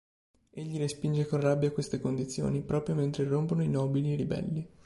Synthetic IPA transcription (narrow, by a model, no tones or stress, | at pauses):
eʎːiɾespind͡ʒekonrabːjakwest̪ekond̪it̪sːjo̰ːnipɾɔːpɾjoment̪ɾeromponoinɔːbilieɾibɛ̰lːi